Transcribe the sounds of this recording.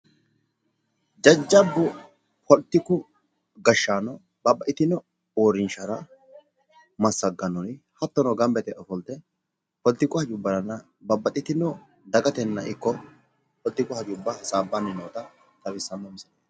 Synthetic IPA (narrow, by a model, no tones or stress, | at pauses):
d͡ʒɐd͡ʒːɐbːʊ | pɔlt̪ːɪkʊ | ɡɐʃːaːnɔ | bɐbːɐʔɪt̪ɪnɔ | oːɾɪnʃɐɾɐ | mɐsːɐɡɐnɔnɪ | hɐt̪ːɔnɔɡɐmbɛt̪ɛʔɔfɔlt̪ɛ | pɔlt̪ːɪkʊhɐd͡ʒʊbːɐɾɐnːɐ | bɐbːɐt̪ʼɪt̪ɪnɔ | d̪ɐɡɐt̪ɛnːɐʔɪkːɔ | pɔlt̪ːɪkʊhɐd͡ʒʊbːɐsaːbːɐnːɪnoːt̪ɐ | t̪ɐbɪsːɐmːɐmɪsɐne